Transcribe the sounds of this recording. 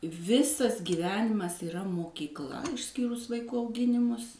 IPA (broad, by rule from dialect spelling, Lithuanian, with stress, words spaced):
ˈʋʲɪsɐs ɡʲiːˈʋʲæːnʲɪmɐs iːˈrɐ moːkʲiːkˈlˠɐ ɪʃʲˈsʲkʲiːrʊs ʋɐɪˈkuː ɐʊˈɡʲɪnʲɪmʊs